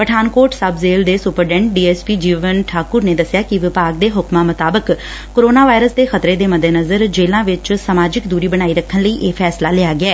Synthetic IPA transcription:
pəʈʰaːnkoːɾʈsəbzeːld̪eːsʊpəɾɖɛ̃ːɳʈ̚ɖiːɛːspiːd͡ʒiːʋənʈʰaːkʊɾneːd̪əsɪjaːkɪʋɪpaːɡ̚d̪eːɦʊkmãːmət̪aːbəkː | oːɾoːnaːʋaːɾəsd̪eːxət̪ɾeːd̪eːməd̪eːnəzəɾd͡ʒeːlãːʋɪt͡ʃsəmaːd͡ʒɪkd̪uːɾiːbəɽ̃aːiːɾəkʰːənləiːʔeːpʰɛːslaːlɪaːɡɪɛː

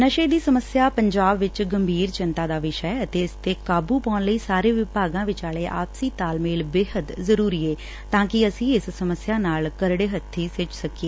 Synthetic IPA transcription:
nəʃeːd̪iːsəməsjaːpəɲd͡ʒaːbʋɪt͡ʃɡəmbʱiːɾt͡ʃɪnt̪ãːd̪aːʋɪʃəɛːət̪eːɪst̪eːkaːbuːpɔːnləiːsaːɾeːʋɪpaːɡãːʋɪt͡ʃaːleːʔa̰ːpsiːt̪aːlmeːlbeːɦət̪zəɾuːɾiːeː | t̪ãːkɪəsĩːɪssəməsjaːnaːlkəɾɽeːɦət̪ʰːiːsɪt͡ʃsəkeː

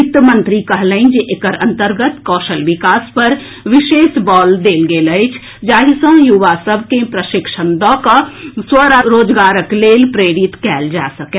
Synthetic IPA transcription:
kt̪əmə̃nt̪ɾikəɦləĩnd͡ʒeʔekəɾə̰̃nt̪əɾɡət̪kɔːʃəlʋɪkaːspəɾ | ʋɪʃeːsbɔːld̪eːlɡeːləɪt͡ʃʰ | d͡ʒaːɦisə̃juʋasəbʱkepɾəʃɪkʃənd̪ɔ̃kaswəɾəɾoːd͡ʒɡaːɾəkleːlpɾeːɾɪt̪kɛːld͡ʒa̰ːsəkɛ

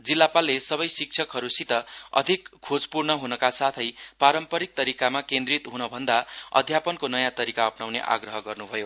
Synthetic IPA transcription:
d͡zilːapalːesʌbʌjsik̚t͡sʰʌkɦʌɾusit̪ʌʌ̰d̪ʱikʰːod͡zpurnʌɦunʌkasat̪ʰʌjpaɾʌmpʌɾik̚t̪ʌɾikamakẽnd̪rit̪ɦunʌbʱʌnd̪aʌ̰d̪ʱjapʌnkonʌjãt̪ʌɾikaʌpnawnḛʔa̰ɡrʌɦʌɡʌrnubʱʌjo

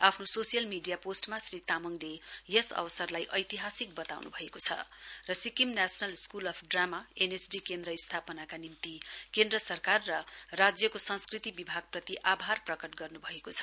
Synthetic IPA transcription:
apʰnososijʌlmiɖijaposʈmasrit̪amʌŋlejʌsʌ̰wsʌrlajʔʌjt̪iɦasik̚bʌt̪a̰wnṵbʱʌekot͡sʰʌ̰rʌsikimnasʌnʌlskulʌpʰɖramaenesɖikend̪ɾʌist̪ʰapʌnakanimt̪ikend̪rʌsʌrkarːʌrad͡zjʌkosʌ̃nskrit̪ibibʱaɡ̚prʌt̪iʔabʱarprʌkʌʈɡʌrnubʱʌekot͡sʰʌ̥

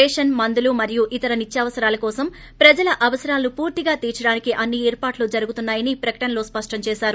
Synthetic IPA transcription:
eːʂɐnmɐnd̪ulumɐɾijuʔit̪ɐɾɐnit͡ʃːjɐʋɐsɐɾaːlɐkɔːsɐm | pɾɐd͡ʒɐlɐʔɐʋɐsɐɾaːlɐnupuːɾt̪iɡaːt̪iːɾt͡ʃɐɽaːnikiʔɐnːiɛːɾpaːʈlud͡ʒɐɾuɡut̪unːaːjɐnipɾɐkɐ̥ʈɐnɐlo̞ːspɐʂʈɐmt͡ʃɛːʃaːɾu

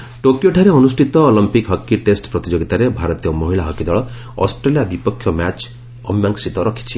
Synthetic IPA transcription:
ʈokjoʈʰaɾeɔnusʈʰit̪ɔɔlimpikɦɔkːiʈesʈpɾɔt̪id͡ʒoɡit̪aɾebʱaɾɔt̪ijɔmɔɦiɭaɦɔkid̪ɔɭɔ | ɔ̰sʈɾelijabipɔkʰːjɔmat͡ʃ | ɔmjaŋksit̪ɔɾɔkʰi̥t͡ʃʰi

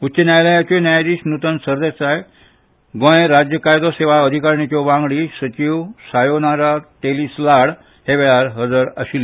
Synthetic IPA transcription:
utːɕənjajlajat͡ɕɔnjajd̪iːsnut̪ənsəɾd̪et͡saj | ɡõj̃eɾad͡ʑjəkajd̪ɔseʋaəd̪ʱikaɾnit͡ɕɔʋãŋɡɽisət͡ɕiʋsajonaɾat̪eliːslaɽ | heʋɛɭaɾɦəd͡zəɾə̰ɕilːe

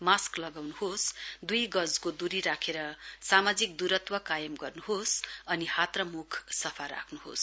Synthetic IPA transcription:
masklʌɡawnuɦosd̪ujɡʌd͡zkod̪uɾiɾakʰeɾʌsamad͡zikd̪uɾʌt̪wʌkajʌmɡʌrnuɦosʌnihat̪rʌmukʰsʌpʰaɾa̰kʰnuɦo̰s

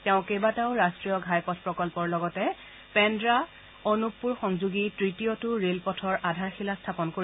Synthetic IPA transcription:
tɛʊ̃kejbataʊɹastɹijɔɡʱajpɔtʰpɹɔkɔlpɔɹlɔɡɔtɛ | pɛndɹa | onupːuɹxɔŋzuɡitɹitijotʊɹelpɔtʰɔɹʔadʱaɹxilastʰapɔnkoɹi

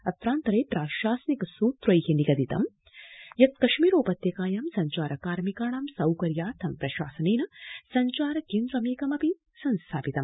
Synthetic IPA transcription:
ɐt̪ɾaːnt̪ɐɾeːpɾaːʃaːsɐnikɐsuːt̪ɾɐjheniɡɐd̪it̪ɐ̰m | jɐt̪̚kɐʃmiːɾoːpɐt̪jɐkaːjɐːmsɐɲt͡ʃaːɾɐkaːɾmikaːɳɐːmsɐwkɐɾjaːɾt̪ʰɐmpɾɐʃa̰ːsɐneːnɐsɐɲt͡ʃaːɾɐkeːnd̪ɾɐmeːkɐmɐpi | sɐnst̪ʰaːpit̪ɐm

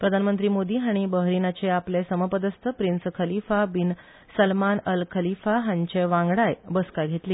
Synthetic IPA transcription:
pɾəd̪ʱanmənt̪ɾiːmod̪ʱiːɦaɽ̃ibəɦɾinat͡ɕeaplesəməpəd̪əst̪ʰəpɾinskʰəlifabin | səlmanəlkʰəlifaɦãɲt͡ɕeʋãŋɡɽajbəskaɡʱet̪liː

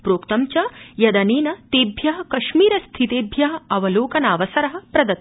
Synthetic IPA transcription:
pɾoːkt̪ɐmt͡ʃɐjɐd̪ɐneːnɐt̪eːbʱjɐɦɐ̆kɐʂmiːɾɐst̪ʰit̪eːbʱjɐɦɐɐʋɐloːkɐnaːʋɐsɐɾɐɦɐ̆pɾɐd̪ɐt̪

